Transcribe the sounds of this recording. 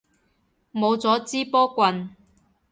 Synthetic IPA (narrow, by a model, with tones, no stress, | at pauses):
mo˨˧wt͡sɔː˨˥t͡siː˥pɔː˥kʷɐ˧n